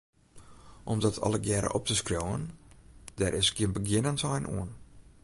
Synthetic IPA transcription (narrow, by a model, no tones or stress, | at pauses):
ʔɔmdɔtʰɔ̰lˠəɡjɛɾə̰ʔɔp̚təskrowə̰n | d̥ɛɾʔɪsɡiənbəɡjɪnəntɔjnṵən